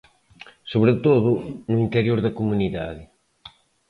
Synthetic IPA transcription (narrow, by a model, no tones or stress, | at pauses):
soβɾet̪oðʊnʊint̪eɾjoɾðɐkomuniða̰ðɪ